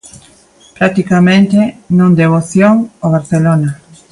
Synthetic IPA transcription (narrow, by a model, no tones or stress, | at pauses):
pɾat̪ikamẽnt̪enõŋd̪eβ̞oθjoŋoβ̞aɾθelona